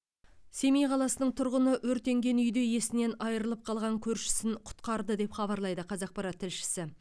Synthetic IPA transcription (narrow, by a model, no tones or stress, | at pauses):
se̞mijqʰɑlˠɑsənəɴt̪ʰʊɾʁənəʔwɵɾt̪ːe̞ŋɡʲe̞nʏjd̪e̞je̞sɪne̞nɑjəɾəlˠəp̚qʰɑlˠʁɑŋkʲʰɵɾʃɪ̥sɪnqʰʊ̥t̪qɑɾd̪əd̪e̞pχɑβɑɾlˠɑjd̪əqʰɑzɑq̚pɑɾɑt̪ʰːɪlʃɪ̥sɪ